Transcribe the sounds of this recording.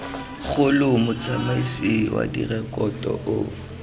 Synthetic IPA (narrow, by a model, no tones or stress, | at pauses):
k͡xʰʊlʊmʊt͡sʰʼamaisiwa̰dirɛkʼɔtʼɔʔʊ